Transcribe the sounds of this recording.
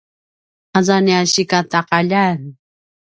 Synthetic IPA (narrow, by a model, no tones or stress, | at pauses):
azaniaɕikat̪aqaʎan